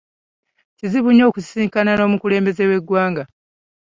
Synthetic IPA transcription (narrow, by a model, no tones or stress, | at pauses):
ciziβuɲːo̞ːkussiːŋkanano̞ːmukule̞ːmbe̞ze̞we̞ɡwaːŋɡa